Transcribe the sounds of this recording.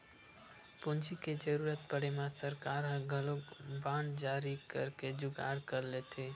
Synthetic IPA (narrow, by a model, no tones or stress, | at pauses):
pʊnt͡ʃiked͡ʒəɾuɾət̪̚pəɽemasəɾkaːɾɦə̃ɡʱəlokbãːnd͡ʒaːɾikə̰ɾked͡ʒʊɡa̰ɾkəɾlet̪ʰe